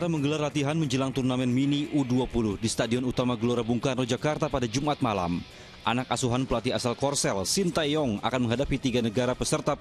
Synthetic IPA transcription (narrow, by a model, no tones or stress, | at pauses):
aɾaməŋɡəlarlat̪iɦanməɲd͡ʒəlaŋt̪urnamɛnminiʔuduapuluhdist̪adiɔnut̪amaɡəloɾabuŋkanɔd͡ʒakart̪apadad͡ʒumat̪̚mala̰m | ʔanakasuɦanpəlat̪iasalkɔrsɛlsint̪ajɔŋa̰kanməŋɦadapit̪iɡanəɡaɾapəsərt̪a